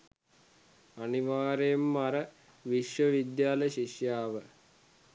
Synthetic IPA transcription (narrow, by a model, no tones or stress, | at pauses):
aniʋaːɾemːaɾə | ʋiʃʋəʋid̪jaːləɕiʃjaːʋə